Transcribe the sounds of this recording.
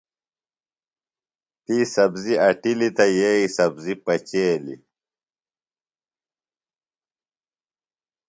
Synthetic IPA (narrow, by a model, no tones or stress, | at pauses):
t̪isɐbziɐʈilit̪ɐjeisɐbzipɐt͡ɕeːlḭ